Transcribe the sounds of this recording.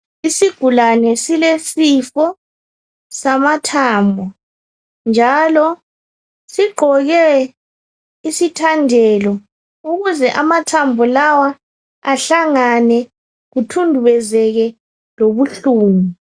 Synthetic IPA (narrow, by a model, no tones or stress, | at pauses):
isiɡ̥ʱulanɛsilesifɔ | samatʰaːmbʱɔ | nd͡ʒʱalɔ | siɡ͡ǃʱɔɣɛ | isitʰandʱɛlɔ | uɣuzɛʔamatʰambʱɔlawa | aɬaŋanɛ | ɣutʰundʱuβɛzɛɣɛ | loβuɬuːnu